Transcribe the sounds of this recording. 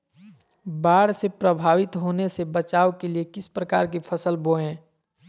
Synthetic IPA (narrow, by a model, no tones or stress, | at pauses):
baːɽsepɾəbʱaːʋɪt̪ɦoːnesebət͡ʃaːokeliekɪspɾəkaːɾk̬ipʰəsəlboẽː